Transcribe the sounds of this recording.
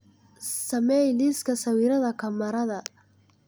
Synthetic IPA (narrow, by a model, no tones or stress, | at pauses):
sɐmɛjliːskʰɐsɐwiːɾɐðɐkʰɐmɐɾɐðɐ